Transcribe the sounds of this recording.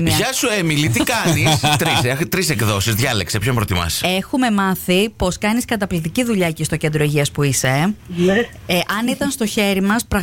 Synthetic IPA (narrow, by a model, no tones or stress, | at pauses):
ɐʝɐsuemilit̪ikɐnist̪ɾiset̪ɾise̞kðo̞sizðʝɐle̞̰ksepçoimpɾot̪imɐ̰se̞xume̞mɐθipo̞skɐniskɐt̪ɐplit̪iciðuʎɐcist̪o̞cend̪ɾo̞iʝiɐspuise̞n | ʔɐnit̪ɐnst̪o̞çe̞ɾimɐspɾɐɣ